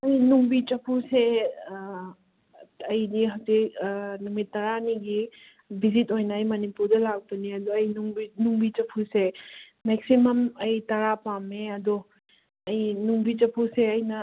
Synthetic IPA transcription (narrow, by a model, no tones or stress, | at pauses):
ɐjnuŋbit͡ʃɐpʰuse | ɐjdiɦawzik̚numitːɐɾaniɡi | bizitojnɐɐjmɐnipuɾdɐlak̚bɐniɐdoɐjnuŋbinuŋbit͡ʃɐpʰuse | mek̚simɐmɐjtɐɾapameɐdo | ɐjnuŋbit͡ʃɐpʰuseɐjnɐ